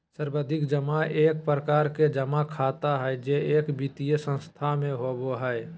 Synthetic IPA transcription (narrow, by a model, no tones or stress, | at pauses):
səɾbəd̪ʱɪkd͡ʒəmaʔeːk̚pɾəkaːɾked͡ʒəmakʰaːt̪aɦɛɛd͡ʒeeːkbit̪ijəsə̃nst̪ʰamẽɦoboɦɛɛ